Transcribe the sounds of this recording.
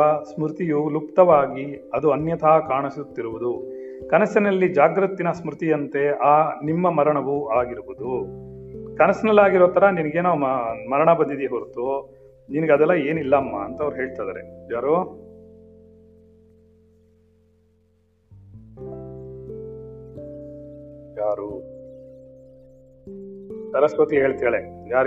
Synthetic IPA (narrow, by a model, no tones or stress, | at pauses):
ɐsmɾut̪ijulup̚t̪ɐʋaːɡiɐd̪uɐnjɐt̪ʰaːkaːɳɐsut̪ːiɾuʋud̪ukɐnɐsɐnɐlːid͡ʒaːɡɾɐt̪ːinɐsmɾut̪ijɐnt̪e̞aːnimːɐmɐɾɐɳɐʋuaːɡiɾubud̪u | kɐnɐsinɐlːaːɡiɾoːt̪ɐɾɐninɐɡeːnamɐɾɐɳɐbɐnd̪id̪eɦoɾut̪o | ninɐɡeɐd̪ɛlːɐe̞ːnilːɐːmːɐːnt̪ɐɐʋɐɾuɦe̞ːɭt̪ajd̪ɐ̰ɾḛjaːɾu | jaːɾu | t̪ɐɾɐskot̪iɦe̞ːɭt̪iɐɭejaːɾ